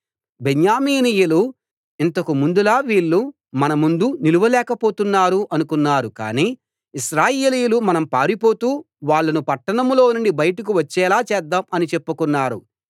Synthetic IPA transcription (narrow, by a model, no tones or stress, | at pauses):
beɲjaːmiːnijulu | int̪ɐkumund̪ulaːʋiːɭːu | mɐnɐmund̪uniluʋɐlɛːkɐpo̞ːt̪unːaːɾuʔɐnukunːaːɾuka̰ːniː | iʃɾaːjeːlijulumɐnɐmpaːɾipo̞ːt̪uː | ʋaːɭːɐnupɐʈːɐɳɐmlo̞ːnuɳɖibɐjɐʈɐk̬uʋɐt͡ʃːɛːlaːt͡ʃɛːd̪ːaːmɐnit͡ʃepːukunːaːɾu